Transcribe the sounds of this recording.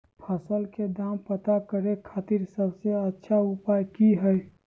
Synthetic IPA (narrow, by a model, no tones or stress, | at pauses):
pʰəsəlked̪aːmpət̪akəɾekʰaːt̪iɾsəbseətːʃʰaʊpaːjkiɦɛj